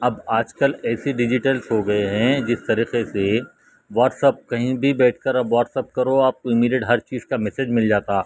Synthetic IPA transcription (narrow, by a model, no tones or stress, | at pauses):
ɐbaːd͡ʒkɐlɛːseɖɪd͡ʒɪʈəlsɦoɡɐeɦɛ̃d͡ʒɪst̪ɐɾiːqese | ʋɔːʈsəp̚kɐɦĩbʱibɛːʈʰkɐɾɐbʋɔːʈsəp̚kɐɾoaːp̚koɪmiːɖijəʈɦɐɾt͡ʃiːz̥kamɛsed͡ʒmɪld͡ʒaːt̪aː